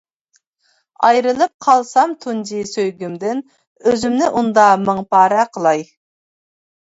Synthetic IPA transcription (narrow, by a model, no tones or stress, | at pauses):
ɑjɾɨlˠɨp̚qʰɑlˠsɑmt̪ʰund͡ʒisøjɡʲymd̪ɪn | øzymnɪʔund̪ɑmɨŋpʰɑːɾɛqʰəlˠɑj